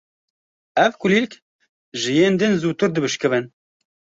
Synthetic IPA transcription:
ɛvkuliːlk | ʒɨjeːnd̪ɨnzuːt̪ɨɾd̪ɨbɨʃkɨvɨn

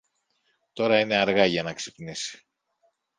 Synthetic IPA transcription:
t̪o̞ɾɐine̞ɐɾɣɐʝɐnɐksipnisi̥

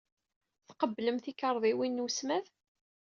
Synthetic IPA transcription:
θqəbːləmθikəɾˤðˤiwinːusmæð

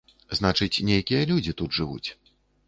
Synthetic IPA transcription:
znat͡ʂɨt͡sʲnʲejkʲijɐlʲud͡zʲit̪ud̪ʐɨvṵt͡sʲ

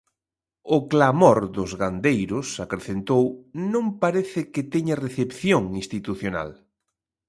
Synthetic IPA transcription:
ʊklamoɾd̪ʊzɣand̪ejɾʊsakɾeθent̪ownõmpaɾeθɪkɪt̪ɛɲareθepθjoŋĩnst̪it̪uθjona̰l

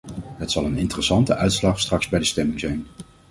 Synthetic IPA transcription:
ɦətsɑlˠənɪntərəsɑntəʔœɥtslɑχstrɑkz̥bɛjdəstɛmɪŋzɛjn

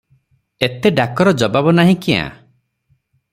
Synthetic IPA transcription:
et̪eɖakɔɾɔd͡ʒɔbabɔnaɦĩkiã̰

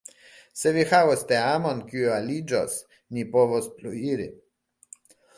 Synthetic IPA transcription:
sɛvixawost̪eamonkiualid͡ʒɔs | nʲipovospluiɾḭ

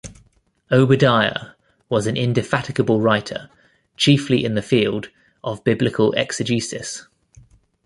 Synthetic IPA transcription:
əʊbədaɪə̰ | wɒzə̃nʔɪ̰̃ndɪfatɪkəbəlˠɹaɪtʰə̰ | t͡ʃʰiˑfliʔɪ̃nðəfiːlˠd | ʔəvbɪblɪkʰəlɛ̰ksəd͡ʒʉˑsɪs

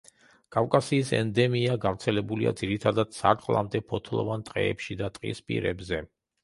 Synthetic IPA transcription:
kʼavkʼasiːsɛ̰nd̪ɛmiaɡavɾt̪sʰɛlɛbuliʔa̰d̪ziɾit̪ʰad̪ad̪̥sa̰ɾt̪ʼlˠa̰md̪ɛpʰɔt̪ʰlˠɔ̰vant̪ʼqʼɛ̰ɛpʃid̪at̪ʼqʼḭspʼḭɾɛbzɛ

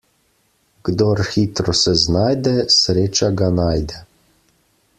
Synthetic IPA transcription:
ɡ̥d̪ɔɾxiːt̪ɾɔsɛznaːjd̪ɛsɾeːt͡ʃaɡanaːjd̪ɛ

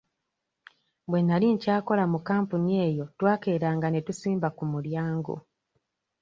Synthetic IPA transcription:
bwe̞nːaliɲcaːko̞lamukaːmpunie̞jo̞twaːke̞ɾaːŋɡane̞tusiːmbakumuljaːŋɡo̰

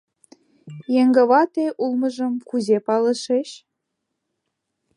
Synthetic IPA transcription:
jeŋɡə̆βɑt̪eʔulmɤ̆ʒɤ̆mkuzepɑlə̆ʃeɕ

